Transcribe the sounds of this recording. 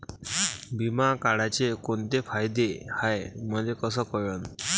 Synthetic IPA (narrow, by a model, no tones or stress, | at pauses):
bimakaɽat͡ɕekont̪efʰajd̪ehajməd̪ʱjekəs̬əkɔjən